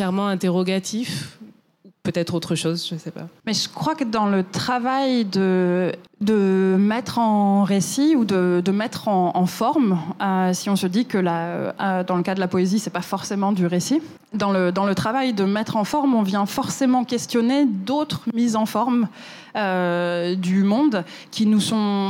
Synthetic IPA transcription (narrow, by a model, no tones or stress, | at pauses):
kɛʁmɑ̃ɛ̃t̪eʁɔɡat̪ʰif | upøt̪ɛt̪χot̪χəʃozʒəsɛpa̰mɛʒəkχwakəd̪ɑ̃lət̪χavajd̪ə | d̪əmɛt̪χɑ̃ʁesiud̪əd̪əmɛt̪χɑ̃ːfɔʁmøsiɔ̃səd̪ikəla̰d̪ɑ̃ləkad̪əlapɔezisɛpafɔʁsemɑ̃d̪yʁesi | d̪ɑ̃ləd̪ɑ̃lət̪χavajd̪əmɛt̪χɑ̃fɔʁmɔ̃vjɛ̃fɔʁsemɑ̃kʲɛst̪jɔned̪ot̪χmizɑ̃fɔʁm | ød̪ymɔ̃d̪ | kʲʰinusɔ̃